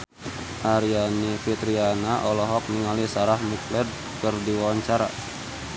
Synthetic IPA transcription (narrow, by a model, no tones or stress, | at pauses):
ʔaɾianifit̪ɾianaʔɔlɔɦɔk̚niŋalisaɾahmuklɛd | kərdiwawaɲt͡ʃaɾa̰